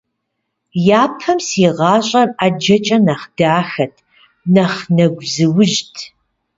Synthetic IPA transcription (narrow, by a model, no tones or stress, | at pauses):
jaːpʰɐmsiʁɑːɕʼɐraːd͡ʒɐt͡ʃʼɐnaχd̥aːxɐtʰ | nɐχnɐɡʷzɨwʊʒtʰ